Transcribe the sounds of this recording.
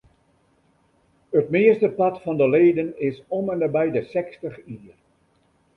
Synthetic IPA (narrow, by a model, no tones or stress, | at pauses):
ətmɪəstəpɑtfɑndəleːdənɪsɔmɛndəbɛjdəsɛkstəχiər